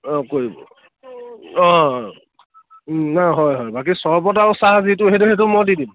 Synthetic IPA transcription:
ɔ̃koɹibɔ̰ | ɔ̃ | naɦɔjɦɔjbakisɔɹɔp̬ɔtaʊsaɦazitʊeɦetuɦetʊmɔjdidim

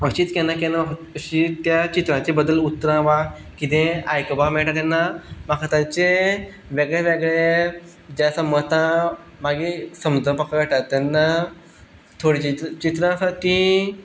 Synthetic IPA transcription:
əɕiːt̪kɛnakenamakəɕit̪jat͡ɕit̪ɾãt͡ɕebəd̪əlut̪ːɾãʋa | kit̪ẽajkbamɛɭʈat̪anːamakʰat̪ãt͡ɕe | ʋeɡɭeʋeɡɭe | d͡ʑjasəmət̪ã | maɡisəmd͡z̪əpəkaʋeʈat̪anːa | t̪ʰoɽit͡ɕit͡ɕit̪ɾãsaʈi

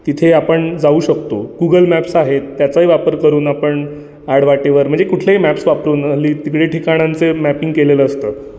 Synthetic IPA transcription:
t̪it̪ʰeapəɳd͡zauːɕəkt̪oɡuɡəlmæpsaɦet̪ːjat͡səɦiʋapəɾkəɾuːnapəɳ | aɽʋaʈeʋəɾm̤əɳd͡zekuʈʰleimæpsʋapɾuːnəliːt̪ikɽeʈʰikaɽ̃ãnt͡semæpiŋɡkeleləːst̪əː

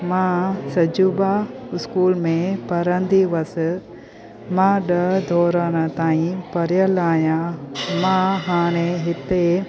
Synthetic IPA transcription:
mãsɐd͡ʒuːbaɪskuːlmẽpɐɾənd̪ʱiʋɐs | mãɗɐd̪ʱɔːɾəñət̪aːĩpɐɾjəlaːjãmãɦaːɽ̃eɦɪt̪e

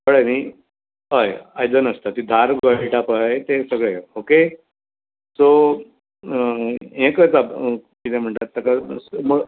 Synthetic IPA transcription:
pəɭemi | ɦəjajd͡zənəst̪at̪id̪ʱaɾɡaɭʈapajt̪esəɡɭeoke | so | ẽkət͡sakit̪ɛm̤əɳt̪at̪ːəkamuɭ

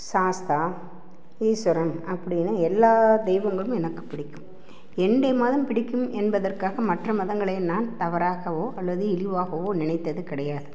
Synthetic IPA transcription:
saːst̪aː | iːsʊɾɐmɐpːɐɽɪnːɐɛlːaːd̪ɛɪʋɐŋɡɐɭɯmɛnɐkːɯ̥pːɪɽɪkːɯm | ɛnd̪eːmaːðɯmpɪɽɪkːɯmɛnbɐðɐrkaːɣɐmɐʈrɐmɐðɐŋɡɐɭɐjnaːnt̪ɐʋɐɾaːɣɐʋoːʔɐlːɐðɯɪlɪʋaːɣɐʋoːnɪnɐɪt̪ːɐðɯkɪɽɐjaːðɯ

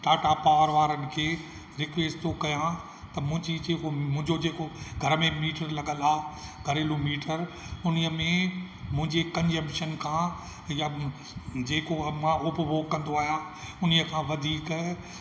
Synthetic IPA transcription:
ʈaːʈapaːɾʋaːɾənɪ̆kʰeː | ɾɪkʋeːsʈt̪okɐjã | t̪ɐmʊ̃ɦɪ̃ɲd͡ʑid͡ʑeːkomʊ̃ɦɪ̃ɲd͡ʑod͡ʑeːkoɡʱɐɾəmẽmiːʈəɾlɐɠəlaːɡʱɐɾeːlomiːʈəɾ | ʊniəmẽ | mʊ̃ɦɪ̃ɲd͡ʑekɐ̃ɲd͡ʑə̃mʃənkʰãː | ja | d͡ʑeːkomãːʊpʋoːkːɐ̃nd̪oaːɦijã | ʊnijəkʰãʋɐd̪ʱiːk

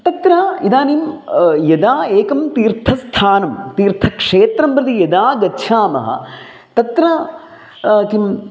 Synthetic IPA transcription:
t̪ɐt̪ɾɐid̪aːniːmjɐd̪aːeːkɐmt̪iːɾt̪ʰɐst̪ʰaːnɐmt̪iːɾt̪ʰɐkʂeːt̪ɾɐmpɾɨt̪ijɐd̪aːɡɐtːʃʰaːmɐ̰ɦɐ̰ | t̪ɐt̪ɾɐ | t̪im

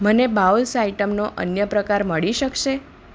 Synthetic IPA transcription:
mənebaulsaiʈəmnoʔə̰njəpɾəkaɾməɭiʃəkʃe

